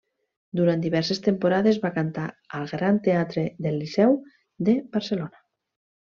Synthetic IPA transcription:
d̪uɾant̪d̪iβɛɾsest̪empoɾaðezβakant̪aəlˠɣɾant̪eat̪ɾeðelːisɛw | ðebaɾselona

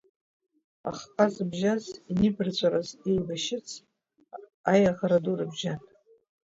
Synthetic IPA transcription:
a̰χqʼazbʒazinɨbrt͡ɕʷʼaɾazilbaʃɪt͡sʰ | ajaʁaɾadurabʒan

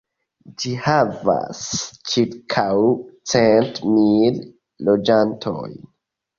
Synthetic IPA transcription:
d͡ʒihava̰st͡ʃiɾkʰawt͡sentmil | lod͡ʒantʰo̰j

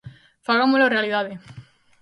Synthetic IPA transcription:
faɣamolarealiðaðe

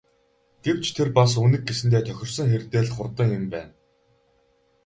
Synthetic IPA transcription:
ɡ̥ew̥t͡ɕʰt̪ʰerpas̬unĭk̚ɡesɘ̆nt̪ʰeːt̪ʰœxʲɪ̆rsə̆ŋxert̪eːɮχʊrt̪ə̆ŋjɪmpæːn

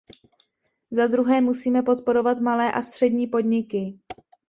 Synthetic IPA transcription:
zad̪ɾuɦɛːmusiːmɛpo̞t̪̚po̞ɾo̞vat̪malɛːʔast̪r̝̥ɛdɲiːpo̞d̪ɲɪkɪ

